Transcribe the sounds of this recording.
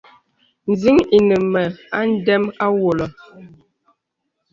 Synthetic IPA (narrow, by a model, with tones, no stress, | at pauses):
n̩˨zi˦ŋi˨nə˨mɛ˨a˦n̩˦dɛ˦ma˦wo˨lɔ˨